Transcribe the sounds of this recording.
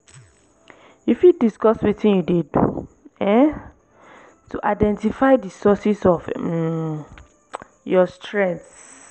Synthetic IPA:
ifjudiskɔswitĩnjudedṵ | ɛ̃ | tʰuʔaɪdɛ̃ntifaɪdisɔsisɔf | jɔstʰɹɛ̃nt

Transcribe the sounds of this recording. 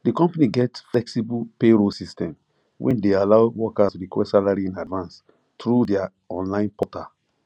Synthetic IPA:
dikɔ̃mpaniɡɛtflɛksibupeɾosistɛ̃m | wʔɛ̰̃ndealaʊwɔkasɹikwɛ̰salaɾiĩnadvãns | tɹudɛa | ɔ̃nlãɪ̃npɔta

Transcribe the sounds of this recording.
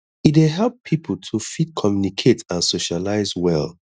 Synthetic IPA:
itweɦɛlˠppʰipʰəl̩tʰufid̚kʰɔmjunikʰetãnsoʃalaɪzwɛ̰l

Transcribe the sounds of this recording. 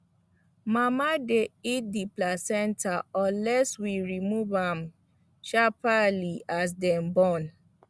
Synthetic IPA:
mamadeit̚diplasɛ̃ntaɔ̃lɛswiɹimuvãm | ʃapalias̬dɛ̃mbɔ̃n

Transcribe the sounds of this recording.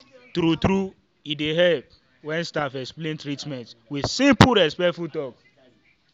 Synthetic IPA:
tɾutɾu | ideɦɛlp | wɛ̃nstafɛksplẽntɹitmɛ̃ntwisĩmpuɾɛspɛtfutɔk

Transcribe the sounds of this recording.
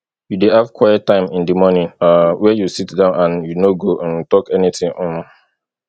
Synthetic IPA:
judehav̥kʰwajɛt̚ːãɪ̃mĩndimɔnĩŋawɛjusitdãʊ̃nãnjunoɡoʔãntɔkɛnitĩŋʔɔ̃m

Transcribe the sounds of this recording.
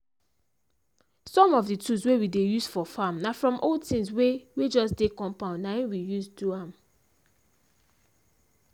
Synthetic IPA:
sɔ̃mɔvditʰuswewidejusfɔfamnafɹɔ̃mʔɔtĩŋswewed͡ʒɔsdekɔ̃mpãʊ̃nnãĩwijusduãm

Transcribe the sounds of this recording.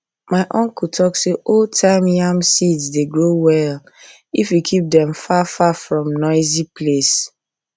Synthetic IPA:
maɪʔɔ̃ŋkutʰɔkseʔoltʰãɪmjãmsidsdeɡɹowɛl | ifjukʰip̚dɛ̃mfafafɹɔ̃mnɔɪzipʰles

